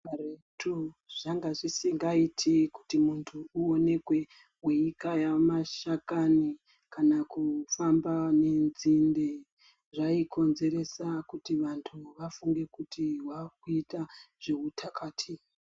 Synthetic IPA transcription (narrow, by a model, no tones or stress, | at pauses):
aretʰuʐ̥aŋɡaʐisiŋɡaitʰiku̥timuntʰuuone̞kwe̞ | weikajamaʃakani | kanakufambane̞nzinde | ʐaiko̞nze̞ɾe̞sakutiʋantʰuʋafuŋɡe̞kutiwakuitaʐ̥eutʰakaːtʰi